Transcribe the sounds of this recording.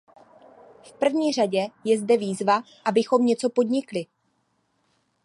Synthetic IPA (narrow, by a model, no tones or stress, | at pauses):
fpr̩vɲiːr̝aɟɛjɛzdɛviːzva | ʔabɪxo̞mɲɛt͡so̞po̞dɲɪklɪ